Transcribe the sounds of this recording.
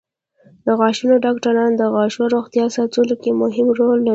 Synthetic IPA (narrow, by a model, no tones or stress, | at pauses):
d̪əɣɑʃunoɖɑkʈaɾɑnd̪əɣɑʃoɾoxt̪jɑsɑt͡sulokemʊɦɪmɾolːa